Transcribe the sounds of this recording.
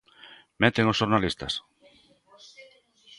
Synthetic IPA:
mɛt̪eŋosʃoɾnalist̪a̰s

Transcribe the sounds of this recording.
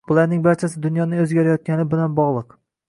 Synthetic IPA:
bʊlˠaɾnɪŋbaɾt͡ʃʰasɪd̪ʊn̪jɒnɪŋɵzɡʲaɾajɒt̪̚kʲanɪbɪlanbɒʁlˠɨq

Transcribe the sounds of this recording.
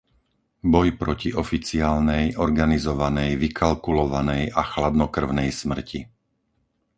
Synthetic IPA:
bɔjpɾɔciɔfit͡siaːlnɛjɔɾɡanizɔʋanɛjʋikʰalkulɔʋanɛjaxlad̪nɔkr̩ʊnɛjsmr̩ci

